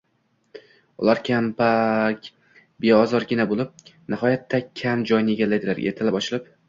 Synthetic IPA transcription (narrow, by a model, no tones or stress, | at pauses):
ʊ̰lˠaɾkʲʰampakʲ | beɒzɒɾɡʲɪnabolˠɪp̚nɪhɒjat̪ʰːakʲʰamd͡ʒɒjnɪe̞ɡʲalːajd̪ɪla̰ɾ̰ʲet̪ʰɪlɪpɒt͡ʃʰɪlɪp̚